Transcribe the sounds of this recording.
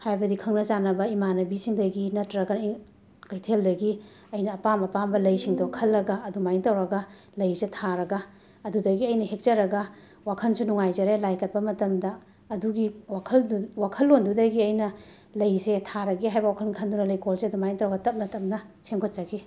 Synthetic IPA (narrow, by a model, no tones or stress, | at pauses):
hajbɐdikʰɐŋnɐzanɐbɐimanɐbisiŋdɐɡinɐtɾɐɡɐ | kɐjtʰeldɐɡi | ɐjnɐːpamɐpambɐlɐjsiŋdokʰɐlːɐɡɐɐdumajiŋtɐwɾɐɡɐ | lɐjzetʰaɾɐɡɐː | dudɐɡiɐjnɐɦek̚t͡ʃɐɾɐɡɐ | wakʰɐnsunuŋajzɐɾelajkɐt̚pɐmɐtɐmdɐː | duɡiwakʰɐlwakʰɐlːondudɐɡiɐjnɐ | lɐjzetʰaɾɐɡiɦajbɐwakʰɐlɡikʰɐndunɐlɐjkolseɐdumajŋtɐwɾɐɡɐtɐp̚nɐtɐp̚nɐ | seŋkʰott͡ʃaɡi